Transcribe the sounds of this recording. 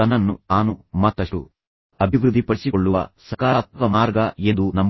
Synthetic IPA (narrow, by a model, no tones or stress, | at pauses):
ɐnɐnːuaːnumɐt̪ːɐʂʈṵ | ɐbʱiʋɾud̪ʱːipɐɽisikoɭːuʋɐ̰sɐkaːt̪ʋɐmaːɾɡɐe̞nd̪unɐmː